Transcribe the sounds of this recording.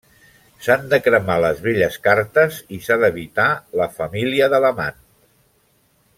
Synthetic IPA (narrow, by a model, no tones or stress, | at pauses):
sand̪əkɾəmaləzβeʎəskaɾt̪əzisaðəβit̪aləfəmiliəðələma̰n